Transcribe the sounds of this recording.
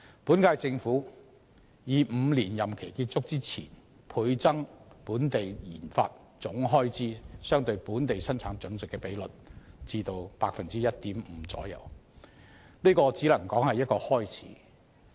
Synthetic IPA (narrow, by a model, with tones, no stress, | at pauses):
puː˨˥nkaː˧jt͡sɪ˧ŋfuː˨˥ | jiː˨˧m̩ː˨˧liː˨˩njɐ˨mkʰe˨˩jkiː˧t̚t͡sʰʊ˥k̚t͡siː˥t͡sʰḭː˨˩n | pʰuː˨˧jt͡sɐ˥ŋpuː˨˥nt̪e˨jjiː˨˩nfa̰ː˧t̚ | t͡sʊ˨˥ŋɦɔː˥jt͡siː˥sœː˥ŋt̪ɵ˧ɥpuː˨˥nt̪e˨jsɐ˥nt͡sʰaː˨˥ŋt͡sɵ˨˥nt͡sɪ˨kːɛː˧pe˨˥jlɵ˨˩t̚t͡siː˧t̪o˨wpaː˧k̚fɐ˨nt͡siː˥jɐ˥t̚t̪iː˨˥mm̩ː˨˧˥t͡sɔ̰ː˨˥jɐ̰˨˩w | niː˥kɔː˧t͡siː˨˥lɐ˨˩ŋkɔː˨˥ŋhɐ˨jɐ˥t̚kɔː˧hɔː˥jt͡sʰḭː˨˥